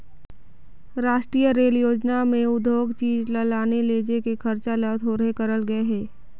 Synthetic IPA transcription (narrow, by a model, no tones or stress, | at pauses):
ɾaːʃʈɾiːjəɾeːljoːd͡ʒnamẽʊd̪ʱoːɡt͡ʃiːd͡ʒləlaːneleːd͡ʒekekʰɐɾt͡ʃalət̪ʰoːɾekɐɾəlɡɐeɦɛː